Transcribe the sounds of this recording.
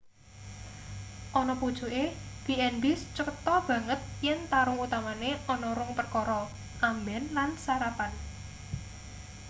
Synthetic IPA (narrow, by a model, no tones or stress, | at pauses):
ʔɔnɔpud̥ʒ̥uʔeɡ̥iɛnbɪst͡ʃəkət̪ɔb̥ä̤ŋət̪̚jɪnt̪aɾʊŋut̪amaneɔnɔɾʊŋpərkɔɾɔ | ʔambɛnlansaɾapan